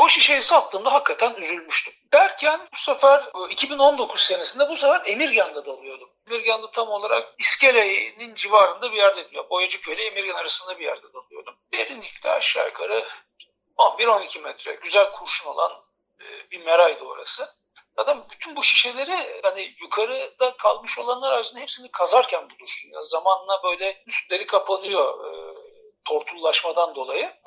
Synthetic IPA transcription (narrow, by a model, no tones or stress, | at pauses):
boʃiʃe̞jisal̚ˠt̪ʰːɯːmd̪aɦakːat̪ʰænyzylʲmyʃt̪ʰymd̪̥æɾcʰænbusafæɾicʰibino̞nd̪o̞kʰuzse̞nesind̪ɛbusafæɾe̞miɾɟænd̪ɛd̪o̞lˠujo̞ɾd̪umemiɾɟænd̪ɛt̪ʰamo̞lˠaɾa̰k̚isce̞ɾejnind͡ʒivaːɾɯnd̪abijæɾd̪ed̪ijo̰ɾbo̞jad͡ʒukelʲɛemiɾɟænaɾasɯnd̪abijæ̰ɾd̪ɛd̪o̞lˠujo̞̰ɾd̪umbeɾinlʲicʲlɛ̰a̰ʃɾa̰jkʰa̰ɾɯ | onbiɾo̞nicʰimɛt̪ʰɾɛ̰ɟyzælʲkʰuɾʃuno̞lˠa̰n | ɯːbimeɾajd̪o̰ːɾa̰sɯ | t̪ʰad̪ambyt̪ʰynbuʃi̥ʃe̞lʲe̞ɾihanijukʰaɾɯd̪̥akʰalˠmɯʃo̞lˠanlˠaɾaɾsɯnd̪aɦepsinikʰazaɾcʰænbulˠuɾsunja̰zamanɯnabø̞jlʲɛyst̪lʲe̞ɾikʰapʰanɯjo̞ɯ | t̪ʰo̞ɾt̪ʰulˠːaʃmad̪and̪o̞lˠajɯ